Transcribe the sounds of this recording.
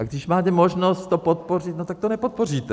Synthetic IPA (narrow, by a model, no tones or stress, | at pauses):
ʔaɡdɪʃmaːt̪ɛmo̞ʒnost̪t̪ːopot̪po̞r̝ɪt̪not̪akt̪onɛpot̪̚por̝iːt̪ɛ